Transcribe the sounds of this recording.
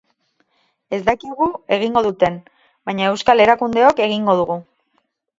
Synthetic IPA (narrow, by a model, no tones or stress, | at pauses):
e̞zd̪akiɣue̞ɣ̞iŋɡo̞ðut̪e̞n | bajɲae̞wskale̞ɾakund̪e̞o̞ke̞ɣ̞iŋɡo̞ð̞uɣu